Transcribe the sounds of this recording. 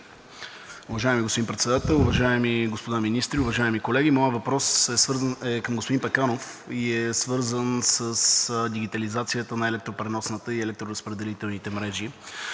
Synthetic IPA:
ʊvɐʒaɛmiɡospod̪inpɾɛt̪sɛd̪at̪ɛlˠʊvɐʒaɛmiɡospod̪aminist̪ɾiʊvɐʒaɛmikolɛɡimɔjəvɐpɾɔsɛsvɤɾzənɛkəmɡospod̪inpɛkanof | iɛsvɤɾzənsəsd̪iɡ̟it̪ɐlizat̪sijət̪ənɐɛlɛk̚t̪ɾopɾɛnɔsnət̪əiɛlɛk̚t̪ɾoɾəspɾɛd̪ɛlit̪ɛlˠnit̪ɛmɾɛʒi

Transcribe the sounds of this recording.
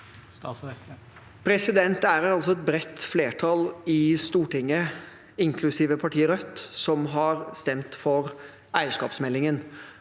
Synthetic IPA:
pʰɾɛsɪd̪ɛnt̪æɾɑlsɔɛt̪̚bɾɛt̪ːfleːʈʰɑlɪst̪uːʈɪŋːə | ɪŋkʰlʉsiːʋəpʰɑʈʰiːəɾœt̪ːsɔmɦɑɾst̪ɛmt̪fɔɾ | æɪəʂkɑːpsmɛlːɪŋən

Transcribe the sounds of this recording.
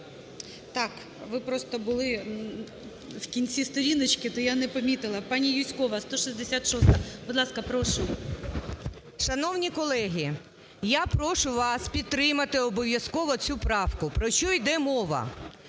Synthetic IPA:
t̪ɑk | ʋɪpɾɔst̪ɔbʊlˠɪ | wkʲinʲt͡sʲist̪ɔɾʲinɐt͡ʃkɪt̪ɔjanɛpɐmʲit̪ɪlˠɐpɑnʲijusʲkɔʋɐst̪ɔʃizʲd̪esʲat̪ʃɔst̪ɐbʊd̪lˠɑskɐpɾɔʃʊ | ʃɐnɔwnʲikɔlˠɛɦʲi | japɾɔʃʊʋɑspʲid̪̚t̪ːɾɪmɐt̪ɪɔbɔʋʲjɐskɔʋɔt͡sʲupɾɑfkʊpɾɔʃt͡ʃɔjd̪ɛmɔʋɐ̰

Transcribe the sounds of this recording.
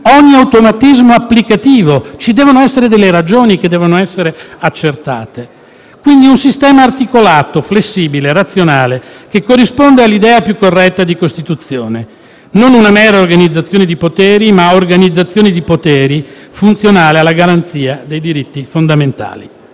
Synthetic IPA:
ɔɲːiawt̪omat̪izmoapːlikat̪iːvot͡ʃid̪ɛːvonoɛsːeɾed̪elːeɾad͡ʒoːnik̟ed̪ːɛːvonoɛsːeɾeat͡ʃːert̪a̰ːt̪e | kwind̪iunsist̪ɛːmaːrt̪ikolaːt̪oflesːiːbileɾat̪sːjonaːlekekːorːispond̪ealːid̪ɛːapjukːorːɛt̪ːad̪ikost̪it̪ut̪sjoːne | nonunamɛːɾaorɡanid̪zːat̪sːjoːned̪ipot̪ɛːɾimaorɡanid̪zːat̪sːjoːnid̪ipot̪ɛːɾifunt̪sjonaːlealːaɡaɾant̪siːad̪ejd̪iɾit̪ːifond̪ament̪a̰ːlḭ

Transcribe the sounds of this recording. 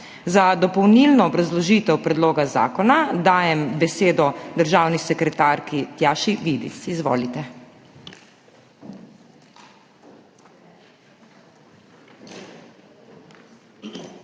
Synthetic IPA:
zad̪ɔpɔwniːlnɔːbɾazlɔʒiːt̪ɛwpɾɛd̪loːɡaza̰ːkɔnad̪aːjɛmbɛseːd̪ɔd̪əɾʒaːwnisɛkɾɛt̪aːɾkit̪jaːʃiʋid̪ḭsizʋo̰ːlit̪ɛ

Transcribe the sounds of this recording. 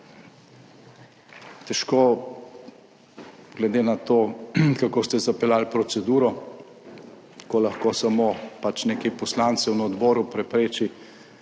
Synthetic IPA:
t̪ɛʃko | ɡ̥lɛd̪eːnat̪oːkakoːst̪ɛzapɛlalpɾɔsɛd̪uːɾɔ | kolaxkosamopat͡ʃnekɛpɔslant̪sɛwnɔd̪bɔːɾupɾɛpɾeːt͡ʃi

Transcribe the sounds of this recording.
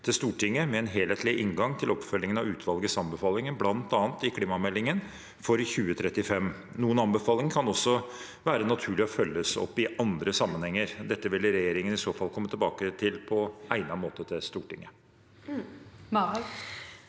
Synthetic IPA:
t̪ʰɪlst̪uːʈɪŋːəmɛɛnɦeːleːt̪lɪʔɪŋɡɑŋt̪ʰɪlɔpfœlːɪŋənɑʋʉːt̪ʰʋɑlɡəsɑmbəfɑːlɪŋənblɑnt̪ɑːnt̪ɪkʰliːmɑmɛlːɪŋən | fɔɾçʉːət̪ʰɾɛt̪ːɪfɛm | nuːənɑnbəfɑːlɪŋkʰɑnɔsːɔ | ʋæːɾənɑt̪ʰʉːɭɪɔfœlːəsɔ̰pːɪʔɑnd̪ɾəsɑmːənhɛŋːəɾd̪ɛt̪ːəʋɪlɾɛjeːɾɪŋənɪsoːfɑlˠkʰɔmːət̪ʰɛlbɑːkət̪ʰɪlpʰɔʔæɪnɑmoːt̪ət̪ʰɪlst̪uːʈɪ̰ŋːə

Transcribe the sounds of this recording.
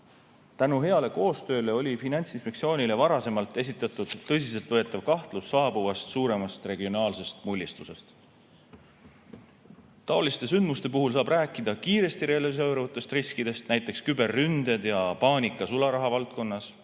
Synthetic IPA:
t̪ænuɦe̞ɑle̞ko̞ːst̪ø̞ːle̞o̞lʲifinɑnt̪sinspek̪sio̞ːnʲile̞vɑɾɑse̞mɑlt̪ːˑe̞s̬it̪ːˑɑt̪ːˑud̪̥ːɤ̞s̬is̬elt̪vɤet̪ːˑɑvkɑht̪lusːɑːb̥uvɑst̪suːɾe̞mɑst̪re̞ɡio̞nɑːlse̞st̪mulʲːist̪use̞st̪ | t̪ːɑolist̪e̞s̬ynd̪̥must̪e̞p̬uɦuls̬ɑːb̥ræːkːˑid̪̥ɑkiːɾe̞st̪iɾe̞ɑlis̬ewɾɑvut̪ːˑe̞st̪riskid̪e̞st̪næjt̪ːˑe̞kskybe̞rːynd̪̥ed̪jɑpɑːnʲikːˑɑsulɑɾɑɦɑvɑlt̪̚ko̞nːɑs

